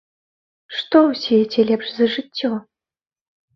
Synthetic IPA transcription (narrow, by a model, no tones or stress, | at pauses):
ʂt̪ɔwsʲijɛtʲɛlʲɛpʂzɐʐɨtʲːɔ